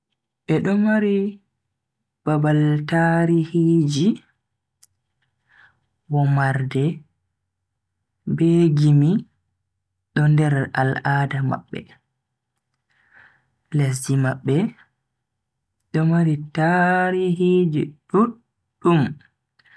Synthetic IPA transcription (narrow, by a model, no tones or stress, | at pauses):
ʔɛɗɔmaɾi | b̥abaltaɾihid͡ʒi | wɔmaɾdɛ | beɡimi | ɗɔndɛɾa̰laːdama̰ɓːɛ̰ | les̬dimaɓːɛ | ɗɔmaɾitaɾihid͡ʒiɗuː | um